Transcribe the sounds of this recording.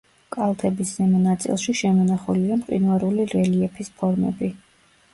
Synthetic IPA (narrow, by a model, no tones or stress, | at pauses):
kʼalˠt̪ʰɛbiszɛmɛnat̪sʼḭlˠʃiʃɛmɔnaχuliamqʼḭnvaɾuliɾɛliɛpʰispʰɔɾmɛ̰bi